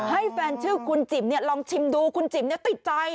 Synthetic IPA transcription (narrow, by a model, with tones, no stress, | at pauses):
ha˥˩jfɛː˧nt͡ɕʰɯː˥˩kʰu˧nt͡ɕi˨˩m̚ni˥˩ɐlɔː˧ŋt͡ɕʰi˧mduː˧kʰu˧nt͡ɕi˨˩˦mni˥˩ət̪i˨˩t̪̚t͡ɕa˧j